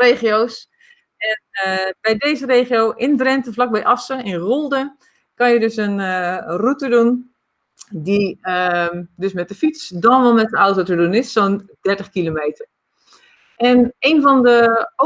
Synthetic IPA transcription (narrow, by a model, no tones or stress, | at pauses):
reːχijoːs | ɛnbɛjdeːzəreːχijowʔɪndrɛntəvlak̚bɛjʔɑsəɪnɣolˠdə | kɑnjədøsənərutədun | diədøsmɛt̚dəfitsdɔnʋɔlˠmɛt̚dəɔwtotədunɪsːoːndɛɹtəχkilomeːtər | ʔɛneːnvɔndəo